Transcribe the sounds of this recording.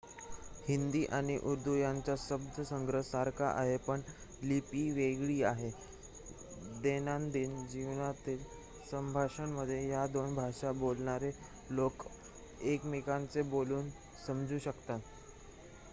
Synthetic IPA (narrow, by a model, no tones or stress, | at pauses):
hind̪iːʔaɽ̃iʔuɾd̪ʱujaɲt͡ɕaɕəb̚d̪ʱəsəŋɡɾəɦsaɾkaʔa̰ɦepəɳ | lipiːʋeɡɭiːaɦe | d̪enand̪iːnd͡ʑiʋnat̪iːl | səmbʱaʂəɳməd̪ʱjejad̪onbʱaʂabolɳaɾe | lok | ekmikant͡seboluːn | səmd͡zʱuːɕəkt̪at̪